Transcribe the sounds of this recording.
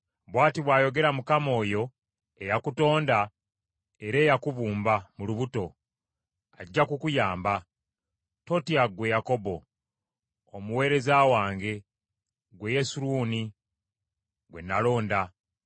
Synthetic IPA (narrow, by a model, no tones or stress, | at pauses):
βwaːtiβwaːjo̞ɡe̞ɾamukamo̞ːjo̞ | ejakuto̞ːnda | eɾe̞ːjakuβuːmbamuluβuto̞ | aɟːakukujaːmba | to̞tiaɡwe̞jako̞bo̞ | omuwe̞ːɾe̞zawaːŋɡe̞ | ɡwe̞je̞suɾuːni | ɡwe̞̰nːalo̞ːnda